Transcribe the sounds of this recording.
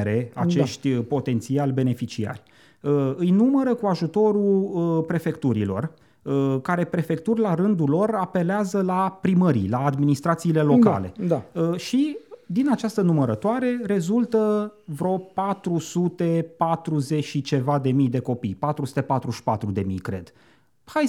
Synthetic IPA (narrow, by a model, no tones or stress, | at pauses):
ɾe̞at͡ʃeʃt̪ʲpo̞t̪e̞nt̪sialbe̞ne̞fit͡ʃia̰rʲ | əɨjnuməɾəkuaʒut̪o̞ɾuəpɾe̞fe̞kt̪uɾḭlo̞̰r | əkaɾe̞pɾe̞fe̞kt̪urʲlaɾɨnd̪ulo̞rape̞leazəlapɾiməɾḭlaːd̪minist̪ɾat̪siːle̞lo̞ka̰le̞̰d̪aəʃid̪inat͡ʃast̪ənuməɾət̪oaɾe̞ɾe̞zult̪əvɾo̞pat̪ɾusut̪e̞pat̪ɾuze̞ʃit͡ʃe̞vad̪e̞mijd̪e̞ko̞pijpat̪ɾusu̥t̪e̞pat̪ɾuʃi̥pat̪ɾud̪e̞mḭjkɾe̞̰d̪̥ | haj